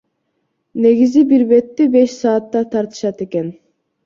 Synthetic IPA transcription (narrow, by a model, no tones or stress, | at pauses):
ne̞ɡizibiɾbe̞t̪ːibe̞ʃsɑːt̪ːɑt̪ʰɑɾt̪ɯ̥ʃɑt̪e̞ken